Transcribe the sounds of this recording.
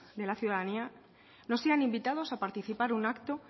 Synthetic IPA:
d̪e̞laθjuðaðania | no̞seanĩmbit̪að̞o̞sapaɾt̪iθipaɾunakt̪o̞

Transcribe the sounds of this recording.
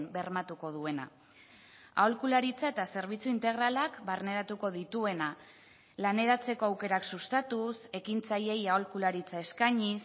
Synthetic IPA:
nbe̞rmat̪uko̞ðue̞na̰ | a̰o̞lkulaɾit͡sae̞t̪ase̞ɾβ̞it͡suint̪e̞ɣ̞ɾalakbarne̞ɾat̪uko̞ðit̪ue̞na | lane̞ɾat͡se̞ko̞awke̞ɾaksust̪at̪use̞kint͡saje̞jao̞lkulaɾit͡sae̞skaɲis

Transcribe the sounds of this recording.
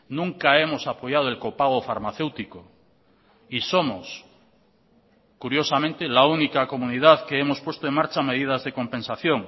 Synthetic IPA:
nũŋkae̞mo̞sapo̞ʝað̞oelko̞paɣ̞ofaɾmaθe̞wt̪iko | iso̞mos | kuɾjo̞samẽnt̪elaunikako̞muniðaðkeemo̞spwe̞st̪oe̞ŋmaɾt͡ʃame̞ð̞ið̞azðe̞ko̞mpe̞nsaθjo̞ŋ

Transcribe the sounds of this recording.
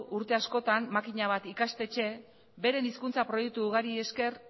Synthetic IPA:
ʔuɾt̪e̞asko̞t̪ammakiɲaβ̞at̪ikast̪e̞t͡ʃe̞ | be̞ɾe̞niskunt͡sapɾo̞jek̚t̪uːɣaɾie̞ske̞r

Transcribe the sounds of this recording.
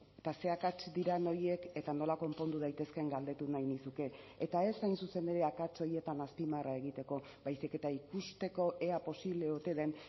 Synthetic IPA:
et̪ase̞akat͡ʃd̪iɾano̞ɾje̞ke̞t̪ano̞lako̞mpo̞nd̪uðajt̪e̞ske̞ŋɡald̪e̞t̪unajnisuke̞ː | t̪ae̞sajnsuse̞ne̞ɾe̞akat͡so̞ɾje̞t̪anaspimarae̞ɣ̞it̪e̞ko̞ | bajsike̞t̪aikust̪e̞ko̞ʔe̞apo̞siβle̞ot̪e̞ðe̞n

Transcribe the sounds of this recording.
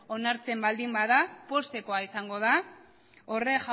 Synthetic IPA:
o̞naɾt͡se̞mbald̪imbaðapo̞st̪e̞ko̞aisaŋɡo̞ð̞a | ore̞ʝ

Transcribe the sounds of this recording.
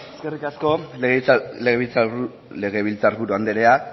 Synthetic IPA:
eske̞rikasko̞ɣeɣeβit͡s | le̞ɣe̞βilt͡saɾβuɾuand̪eɾe̞a

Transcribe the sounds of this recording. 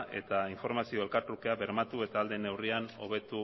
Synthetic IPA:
ʔe̞̰t̪aiɱfo̞ɾmasio̞e̞lkat̪ukeaβe̞ɾmat̪ue̞t̪aːld̪e̞ne̞wriano̞̰β̞e̞t̪u

